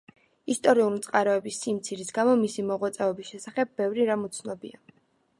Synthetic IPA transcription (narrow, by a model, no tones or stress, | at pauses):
ist̪ʼɔɾiulit̪sʼqʼaɾɔɛbisːimt̪sʰiɾisɡamɔmisimɔʁwat̪sʼɛɔbisʃɛsaχɛb̚ːɛvɾiɾamut̪sʰnɔbḭa̰